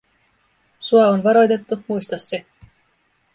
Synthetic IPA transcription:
suɑonʋɑɾo̞jt̪e̞t̪ːumujst̪ɑsːe̞

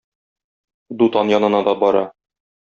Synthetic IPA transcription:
d̪ut̪ɑnjɒnɤ̆nɑd̪ɒbɒɾɑ̰

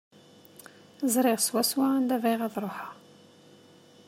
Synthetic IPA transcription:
zɾiʁswæswand̪ævæjʁaðɾˤoħa

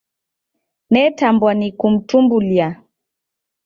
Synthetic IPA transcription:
nɛtambwanikum̩tumbulia

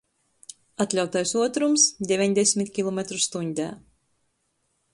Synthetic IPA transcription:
at̪ʲlʲawt̪ajsuɔt̪ɾumsd̪ʲɛvʲiɲʲd̪ʲesʲmʲit̪kʲilˠɔmʲet̪ɾust̪uɲʲd̪ʲæ̰ː

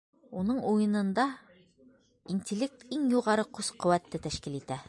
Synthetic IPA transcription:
unɤɴujɤ̆nɤ̆nd̪ɑ | inʲtʲɪlʲek̚t̪iŋjuʁɑɾɤqʉzqɵ̆wæt̪ːɘt̪æʃkilit̪æ

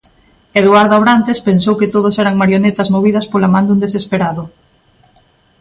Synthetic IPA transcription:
eðuaɾðoaβɾant̪espensowkɪt̪oð̞ʊsɛɾɐŋmaɾjonet̪ɐzmoβ̞iðɐspolamãnd̪und̪esespeɾaðʊ

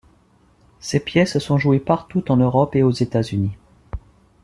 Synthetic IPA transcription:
sepjɛssɔ̃ʒuepaʁt̪ut̪ɑ̃nøʁɔpeozet̪azyni

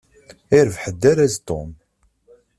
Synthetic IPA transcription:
ɪɾvħəd̪ːæɾæzt̪om

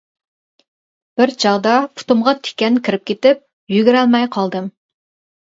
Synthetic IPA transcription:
b̥ɪɾd͡ʒɑʁd̪ɑpʰu̥t̪umʁɑt̪ʰe̥kʲɛnkʲʰiɾɪp̚kʲʰet̪ɪp̚ | jyɡʲiɾɛlˠmɛjqʰɑlˠd̪ɨm

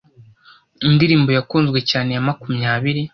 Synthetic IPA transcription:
indiɾiːmbo̞jakuːnzɡwe̞caːne̞jamakumɲaːβiɾi

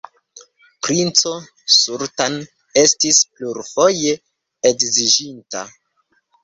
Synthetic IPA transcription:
pɾint͡so̞ | suɾtan | e̞stispluɾfo̞je̞ | ekzid͡ʒinta̰

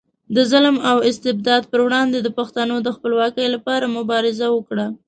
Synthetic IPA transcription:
d̪əzalmawɪst̪ɪb̚d̪ɑd̪pəɾwɽɑnd̪ed̪əpaxt̪anod̪əxpəlwɑkəjlapɑɾamʊbɑɾɪzawəkɽa

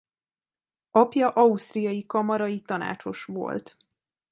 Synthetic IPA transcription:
ɒpjɒʔɒust̪rijɒjikɒmɒɾɒjit̪ɒna̰ːt͡ʃo̞ʃʋo̞̰lt̪

